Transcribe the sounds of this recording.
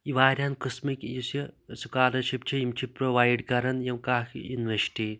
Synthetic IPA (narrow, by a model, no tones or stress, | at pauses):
iʋaːɾʲankɨsmikjisisukaːlɐʃipt͡ʃʰiimt͡ʃʰipɾoʋaːjɖkɐɾɐnjɐmkaːkʰḭnʋesʈi